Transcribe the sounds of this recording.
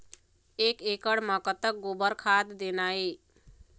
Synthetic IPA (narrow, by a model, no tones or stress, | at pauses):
ekekəɽməkət̪ək̚ɡobəɾkʰad̪d̪enai